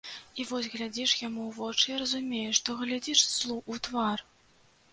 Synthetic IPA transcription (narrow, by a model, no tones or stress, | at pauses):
ivɔsʲɣlʲad͡zʲiʂjamuwvɔt͡ʂɨjiɾɐzumʲejɛʂt̪ɔɣlʲad͡zʲiʂslˠuʔut̪var